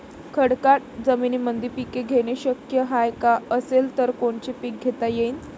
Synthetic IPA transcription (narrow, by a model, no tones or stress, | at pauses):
kʰəɽkaʈ̚d͡zəminiːmənd̪iːɾpikeɡʱeɽ̃eɕəkjəɦajkaəselt̪əɾkoɳt͡ɕepik̚ɡʱet̪ajeiːn